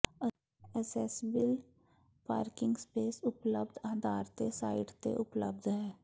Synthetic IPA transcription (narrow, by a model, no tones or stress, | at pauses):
ə | ɛsɛːsbəl | pa̰ːɾkɪ̃ŋɡspeːsʊpləb̚d̪ʱaːd̪ʱaːɾt̪esaːɪɖt̪ḛʔʊplə̰b̚d̪ʱɦɛː